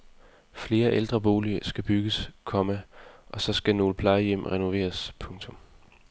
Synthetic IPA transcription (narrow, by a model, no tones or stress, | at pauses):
fle̝ːɐʔeld̥ʁɐb̥o̝ːliəsɡ̥æb̥yɡ̥əskʰɒ̽məʔɒ̽sɒ̽sɡ̥æno̝ːləpʰlɑ̈ɪəjem̰ʁɛno̝ʋe̝̰ːɐspʰɔ̽ŋt͡sʰɔ̽m